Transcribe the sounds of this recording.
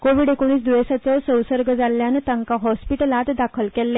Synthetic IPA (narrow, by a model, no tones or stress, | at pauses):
koʋiːɽekoɳ̃iːs̬d̪uʋesat͡sɔsə̃wsəɾɡəd͡zalːjant̪ãŋkaɦɔspiʈəlat̪d̪akʰəlkɛlːɛ